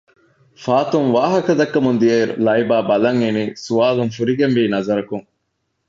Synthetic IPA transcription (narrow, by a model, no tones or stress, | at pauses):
faːt̪uŋʋaːɦɐkɐd̪ɐkːɐmund̪ijeɾṵlɐibaːbɐlɐŋeniːsuaːluŋfuɾiɡenʋiːnɐzɐɾɐkuŋ